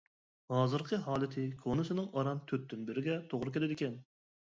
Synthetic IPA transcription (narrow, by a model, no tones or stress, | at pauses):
hɑːzɨɾqʰəɦɑːlˠɪt̪ʰɪkʰonɨsɪnɪŋɑɾɑnt̪ʰøt̪̚ːynbɪɾɪɡʲɛt̪ʰoʁɾɨkʲelɪd̪ɪkʲɛn